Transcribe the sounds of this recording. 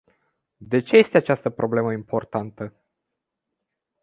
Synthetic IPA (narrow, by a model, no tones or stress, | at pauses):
d̪e̞t͡ʃe̞je̞st̪e̞at͡ʃast̪əpɾʔo̞ble̞məimpo̞rt̪ant̪ə